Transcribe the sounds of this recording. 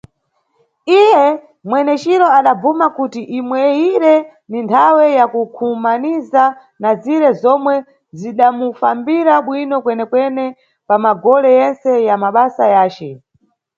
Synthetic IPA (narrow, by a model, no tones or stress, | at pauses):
ijɛ | mwɛnɛt͡ʃiɾɔaɗab͡vumakutiʔimwɛjiɾɛ | nintʰawɛjakukʰumaniza | naziɾɛzɔmwɛ | ziɗamufambiɾaɓwinɔkwɛnɛkwɛnɛ | pamaɡɔlɛjɛnsɛjamaɓasajaːt͡ʃɛ